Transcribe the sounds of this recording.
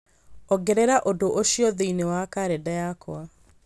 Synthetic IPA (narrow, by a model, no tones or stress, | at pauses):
ɔɡɛɾɛɾaʔodoʔoʃiɔðeinewakaɾedajakw̰a